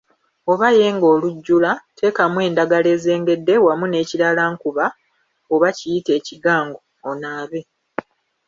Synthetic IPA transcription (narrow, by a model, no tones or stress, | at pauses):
o̞βaje̞ːŋɡo̞ːluɟːulatʰe̞ːkamwe̞ːndaɡale̞ːze̞ːŋɡe̞dːe̞wamune̞ːciɾalaːŋkuβa | oβacijite̞ːciɡaːŋɡo̞ːnaːβe̞